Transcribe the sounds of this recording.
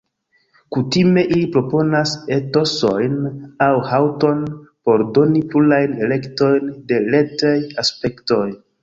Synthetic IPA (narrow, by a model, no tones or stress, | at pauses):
kutime̞ʔilipɾo̞po̞nase̞to̞so̞jnawhawto̞npo̞ɾdo̞nipulajne̞le̞kto̞jnde̞le̞tajaspe̞kto̞j